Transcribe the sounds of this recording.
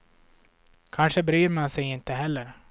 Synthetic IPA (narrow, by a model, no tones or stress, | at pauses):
kʰanʂəbɾyːɾmansɛjɪnt̪əɦɛlːəɾ